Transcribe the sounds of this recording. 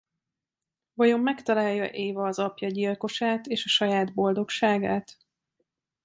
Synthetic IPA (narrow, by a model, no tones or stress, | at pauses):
vɒjo̞mːɛkt̪ɒlaːjːɒ̰ʔeːvɒːzɒpjɒɟilko̞ʃaːt̪eːʃɒʃɒjaːd̪bo̞ld̪o̞kʃaːɡaːt̪